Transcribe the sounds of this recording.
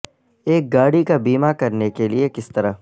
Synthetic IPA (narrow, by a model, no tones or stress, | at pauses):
eːk̚ɡaːɽikabiːmakɐɾnekeliekɪst̪ɐɾəɦ